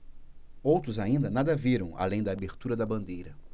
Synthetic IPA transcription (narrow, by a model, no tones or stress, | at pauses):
owt̪ɾʊzaĩnd̪ɐnad̪ɐviɾɐ̃w̃a̰lẽj̃d̪ɐaːbeɾt̪uɾɐd̪ɐbɐ̃nd̪ejɾɐ